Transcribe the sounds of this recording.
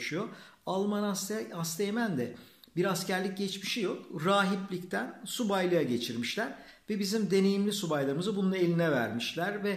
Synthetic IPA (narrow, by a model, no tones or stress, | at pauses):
ʃujoalˠmanasast̪ʰemænd̪ɛbiɾascæɾlʲic̚ɟɛt͡ʃmiʃijo̞kɾaːɦiplʲict̪ʰænsubajlˠɯjaɟe̞t͡ʃʰiɾmiʃlʲæɾ̥ | vɛbizimd̪e̞ne̞jimlʲisubajlˠaɾɯmɯzɯbununˠe̞lʲinɛvæ̰ɾmiʃlʲæɾvɛ